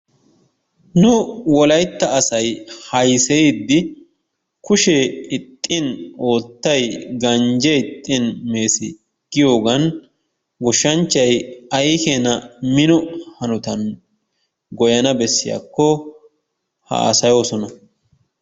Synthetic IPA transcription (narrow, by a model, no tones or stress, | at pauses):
nʊwɔlɐjt̪ːɐːsɐjhɐjsɛid̪ːɪ | kʊʃeɪt̪ʼːɪno̞ːt̪ːɐjɡɐnd͡ʒɛɪt̪ʼːɪnme̞ːsɪ | ɡ̥ɪjo̞ːɡɐn | ɡɔʃːɐnt͡ʃːɐjɐjkeːnɐmɪnɔhɐnʊt̪ɐn | ɡɔjɐnɐbɛsːɪja̰kːɔ | ha̰a̰ːsɐjo̞ːsɔnɐ